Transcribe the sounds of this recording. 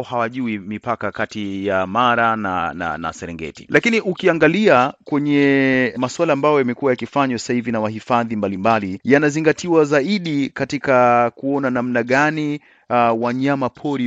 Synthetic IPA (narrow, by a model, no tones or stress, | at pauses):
ɔhawaʄuimipakakatijamaɾana̰na̰na̰sɛɾɛŋɡɛ̰ti̥̰lʔakiniʔukiaŋɡaliakwɛɲɛmaswalaːmbajɔjamɛkuwajakifaɲwḁsahivinawahifaðimbalimbalijanaziŋɡatʰiwazaiɗikatikakuɔnanamnaɠani | waɲamapʰɔɾi